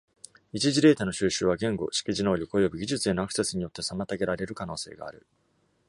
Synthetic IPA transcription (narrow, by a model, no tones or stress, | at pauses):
it͡ɕiʑiɾe̞ːt̪ano̞ɕɨːɕɨːβ̞aɡẽ̞ŋɡo̞̰ɕi̥kʲiʑino̞ːɾʲiko̞jo̞bɯ̟ɡʲiʑɨt͡sɨe̞no̞akɯ̟̥sasɨɲ̟ijo̞t̪ːe̞samat̪aɡe̞ɾaɾe̞ɾɯ̟kano̞ːse̞̰ːɡa̰ːɾɯ̟